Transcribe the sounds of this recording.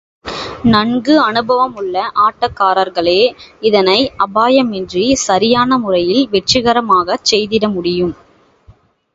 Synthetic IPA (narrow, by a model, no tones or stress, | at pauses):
nɐŋɡɯɐnɯbɐʋɐmɯɭːɐʔaːʈːɐkːaːɾɐɾɣɐɭeːɪðɐnɐɪʔɐbaːjɐmɛndrisɐɾɪjaːnɐmʊrɐjɪlʋɛʈt͡ʃːɪɣɐɾɐmaːɣɐt͡ʃːɛjðɪɽɐmʊɽɪjɯm